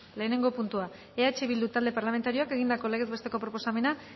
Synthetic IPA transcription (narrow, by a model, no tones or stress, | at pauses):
le̞ːne̞ŋɡo̞punt̪ua | e̞at͡ʃeβild̪ut̪ald̪epaɾlame̞nt̪aɾio̞ake̞ɣ̞ind̪ako̞le̞ɣezbest̪e̞ko̞pɾo̞po̞same̞na